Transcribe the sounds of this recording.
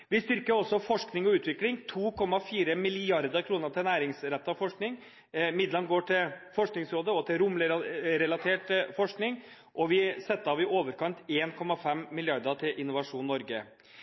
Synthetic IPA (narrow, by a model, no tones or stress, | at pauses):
ʋɪst̪ʏɾkəɾɔsːɔfɔʂknɪŋɔʉːt̪ʋɪklɪŋt̪ʰuːkʰɔmːɑfiːɾəmɪlɪɪɑɾd̪əɾkʰɾuːnəɾt̪ʰɪlnæːɾɪŋsɾɛt̪ːəɑʋfɔʂknɪŋ | mɪd̪lənɡoːʈɪlfɔʂknɪŋsɾoːd̪əɔt̪ʰɪlɾʊmlɛɾɛlɑt̪ʰeːʈfɔʂknɪŋ | ʔɔʋɪsɛt̪ːəɑʋɪʔoːʋəɾkɑnt̪eːnkʰɔmɑfɛmːɪlɪɑɾd̪ət̪ʰɪlʔɪnːʊʋɑʂuːnːɔɾɡə